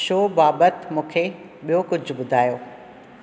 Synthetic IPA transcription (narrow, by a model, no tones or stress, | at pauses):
ʃoːbaːbət̪mũːkʰe | ɓijokʊd͡ʑʱʊ̆ɓʊd̪ʱaːjoː